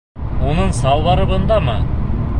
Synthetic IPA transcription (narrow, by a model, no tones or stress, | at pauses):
wo̞nəɴsɑwlˠɑɾəbɤ̆nd̪ɑmɑ